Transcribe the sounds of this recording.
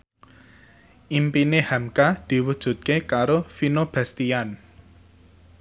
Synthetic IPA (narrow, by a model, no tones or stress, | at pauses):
ʔimpinehamkad̪̥i̤wud̥ʒ̥ṳt̪̚kekaɾofinob̥ɛst̪ian